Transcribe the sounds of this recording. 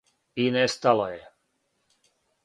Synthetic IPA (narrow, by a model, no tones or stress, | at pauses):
inɛːst̪alɔjɛ